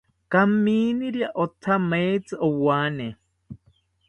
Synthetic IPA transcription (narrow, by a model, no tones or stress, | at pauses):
kamiːniɾjaʔot̪ʰamet͡sɨʔowane